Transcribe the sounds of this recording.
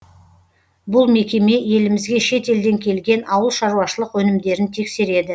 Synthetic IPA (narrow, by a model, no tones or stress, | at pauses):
bʊlˠme̞kʲe̞me̞je̞lɪmɪzɡʲe̞ʃe̞t̪e̞ld̪e̞ŋkʲʰe̞lɡʲe̞nɑwəlˠʃɑɾuwɑʃəlˠəqwɵnɪmd̪e̞ɾɪnt̪ʰe̞kse̞ɾe̞d̪ɪ